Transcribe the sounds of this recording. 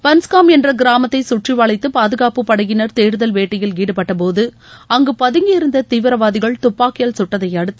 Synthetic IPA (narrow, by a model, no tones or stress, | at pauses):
pɐnskaːmɛndrɐɡɪɾaːmɐt̪ːɐɪsʊʈriʋaːɭɐɪt̪ːɯpaːðɯɣaːpɯpɐɽɐɣɪnɐɾt̪eːɾɯðɐlʋeːʈːɪjɪlɡiːɽɯpːɐʈːɐp̬oːðɯ | ɐŋɡɯpɐðɯŋɡɪɪɾɯnd̪ɐt̪iːʋɪɾɐʋaːðɪɣɐɭt̪ʊpːaːkɪjɐlsʊʈːɐðɐjɐɽɯt̪ːɯ̥